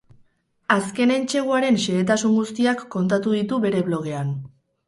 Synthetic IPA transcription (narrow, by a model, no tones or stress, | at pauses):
aske̞ne̞nt͡ʃe̞ɣuaɾe̞nʃeːt̪̬asuŋɡust̪iakːo̞nt̪at̪uðit̪uβe̞ɾe̞βlo̞ɣ̞e̞an